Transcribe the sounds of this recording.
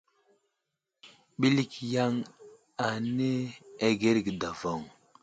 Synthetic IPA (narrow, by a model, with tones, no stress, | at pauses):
ɓi˦li˦kja˦ŋ | a˨ne˦e˨ɡe˦ɾɡi˨da˨vo˨ŋ